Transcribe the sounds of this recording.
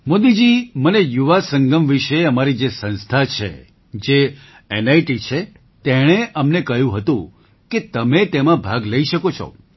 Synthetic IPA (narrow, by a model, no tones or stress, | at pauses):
mod̪id͡ʒimənejuʋasəŋɡəmʋiʃeəmaɾid͡ʒesə̃nst̪ʰat͡ʃʰḛ | d͡ʒe | enajʈit͡ʃʰe | t̪eɽ̃eʔəmnekəjũɦət̪ũ | ket̪əmet̪emãbʱaɡləiʃəkot͡ʃʰɔ̰